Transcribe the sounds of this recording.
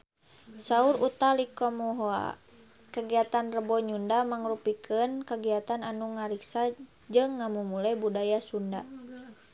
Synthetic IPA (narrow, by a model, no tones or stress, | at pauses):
sauɾut̪alikɔmuɦoa̰ | kaɡiat̪anrəbɔɲundamaŋrupikʰənkaɡiat̪ananuŋaɾiksa | d͡ʒɨŋːamumulɛbudajasunda